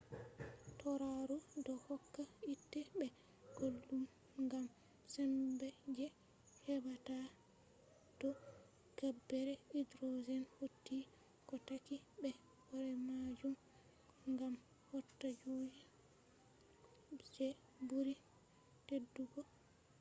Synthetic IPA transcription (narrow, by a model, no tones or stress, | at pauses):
tɔɾaɾudɔhɔkːaitːɛbɛ | ɡ̥olːum | ɡam | sɛmbɛd͡ʒɛ | hɛbata | d̥ɔ | ɡ̥abːɛɾɛidɾozɛnhotːi | kɔtakibɛ | wɔɾɛmad͡ʒum | ŋɡam | hɔtːad͡ʒoji | d͡ʒɛ | buɾi | tedːuɡɔ